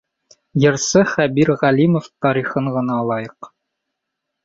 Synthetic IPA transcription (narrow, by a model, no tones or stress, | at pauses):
jɤ̆ɾsɤχæbiɾʁælʲimoft̪ɒɾiχɤɴʁɤ̆nɑlˠɑjɤq